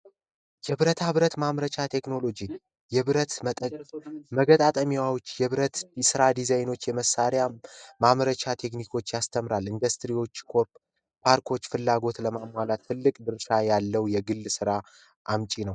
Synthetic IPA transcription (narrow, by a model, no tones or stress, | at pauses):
jɛβɾət̪ʰaβɾət̪mamɾət͡ʃat̪ʰe̞kno̞lo̞d͡ʒi | jɛβɾət̪ət̪ʼməɡət̪ʼat̪ʼəmiwawot͡ʃːjɛβɾət̪sɨɾad̪izajno̞t͡ʃːjɛməsaɾjamaməɾət͡ʃʰat̪ʰe̞knikʰo̞t͡ʃːjast̪ʰəmɾalɨnd̪əst̪ɾiwo̞t͡ʃːkʰo̞ɾ | pʰaɾkʰo̞t͡ʃːfɨlːaɡo̞t̪ləmamːwalat̪ʰːɨlːɨkʼd̪ɨɾʃajalːəwjɛɡɨlːsɨɾa | ʔamt͡ʃʼinəw